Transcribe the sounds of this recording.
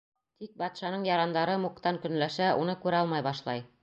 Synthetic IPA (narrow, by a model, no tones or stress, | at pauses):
t̪ik̚bɑt̪ʃɑnɤɴjɑɾɑnd̪ɑɾɤmukt̪ɑŋkɵ̆nlæʃæʔunɤkʉɾæɒlˠmɑjbɑʃlˠɑj